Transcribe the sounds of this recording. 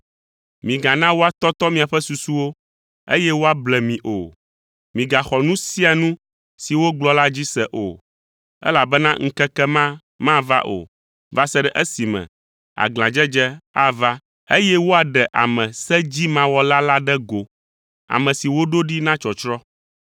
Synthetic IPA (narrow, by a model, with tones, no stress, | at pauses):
mĩ˨ɡa˨nã˦wo˦a˨t̪ɔ˦t̪ɔ˦mĩ˨a˨ɸɛ˦su˨su˦wo˦ | ḛ˦jɛ˦wo˦a˦blɛ˨mĩ˨ʔo̰˨ | mĩ˨ɡa˨xɔ˨nũ˦si˦a˨nũ˦ | si˨wo˦ɡ͡blɔ˦la˦d͡ʑi˦sɛ˦˨ʔo̰˨ | ɛ̰˦la˨bɛ˦nã˦ŋ̩˦kɛ˦kɛ˦mã˦ | mã˦va̰˦ʔo̰˨ | va˦sɛ˦ɖɛ˦˨ʔɛ˦si˨mɛ̰̃˨ | a̰˨ɡl̃ã˨d͡ʒɛ˦d͡ʒɛ˦a˦va˦ | e˦jɛ˦wo˦a˨ɖɛ˨ʔa̰˨mɛ̃˨sɛ˦d͡ʑi˦mã˦wɔ˦la˦la˦ɖɛ˦ɡo˨ | a̰˨mɛ̃˨si˨wo˦ɖo˦ɖi˦nã˦t͡ʃɔ˨t͡ʃɾɔ˦